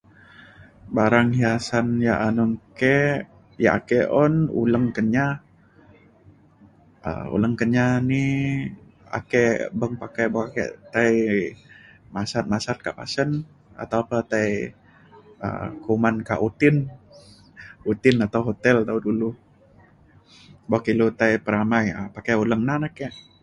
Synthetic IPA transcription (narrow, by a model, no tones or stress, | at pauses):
baɾaŋhiasanjaʔanuŋkɛ | ja̰ʔa̰kɛʔɔnṵləŋkəɲa | ə̰ṵləŋkəɲani | a̰kɛbəŋpakaboakɛ̰t̪aj | masat̪̚masat̪̚ka̰ʔpa̰sən | a̰t̪awpət̪aj | ə̰kumanka̰ʔut̪ɪn | ut̪ɪnat̪awɦot̪ɛlt̪audulu | bokilut̪ajpəɾamajə̰pakauləŋnanakɛʔ